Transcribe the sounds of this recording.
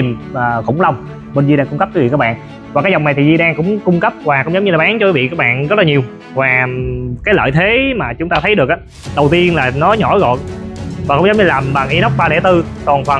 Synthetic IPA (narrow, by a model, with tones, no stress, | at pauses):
məː˨˩xʊ̰˧˥˦ŋ͡mla˧wŋ͡m | ɓe˧nzi˧ɗaː˧ŋkʊ˧ŋ͡mkə˦˥p̚ki˨˦v̰kaː˦˥ɓ̰ːn | vaː˨˩kaː˨˦jzɔ˨˩wŋ͡mna˨˩jt̪ʰi˨˩zi˧ɗaː˧ŋkʊ̰˧˥ŋ͡mkʊ˧ŋ͡mkə˦˥p̚kwaː˨˩kʊ˧˥ŋ͡mzə˨˦wɲɨ˧laː˨˩ɓaː˨˦ŋt͡ɕɔ˧kwi˨˦vḭ˧˨kaː˦˥k̚ɓa̰ː˧˨nɣɔ˦˥t̚laː˨˩ɲi˨˩əw | vaː˨˩kaː˨˦jlə̰ː˧˨jt̪ʰe˨˦maː˨˩t͡ɕʊ˨˦ŋ͡mt̪aː˧t̪ʰə˨˦jɗɨ˨˩ək̚aː˨˦ | ɗə˨˩wt̪i˧ənlaː˨˩nɔ˨˦ɲɔ˧˩˦jɣɔ̰˧˨tvaː˨˩kʊ̰˧˥ŋ͡mzə˨˦wŋ͡mɲɨ˧laː˨˩mɓaː˨˩ŋʔi˨˦ɗə˦˥wk͡p̚ɓaː˧ɗɛ˧˩t̪ɨ˧kɔ˨˩nt̪ʰwa˨˩